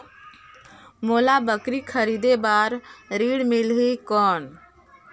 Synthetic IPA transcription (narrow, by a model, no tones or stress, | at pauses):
moːlabəkɾikʰəɾiːd̪ebaːɾɾiːɽmɪlɦikɔːn